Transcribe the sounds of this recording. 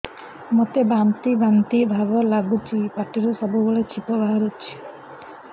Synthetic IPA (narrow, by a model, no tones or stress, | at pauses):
mot̪ebamt̪ibant̪ibʱabɔlaɡut͡ʃʰipaʈiɾusɔbuboɭet͡ʃʰipɔbaɦɔɾut͡ʃʰi̥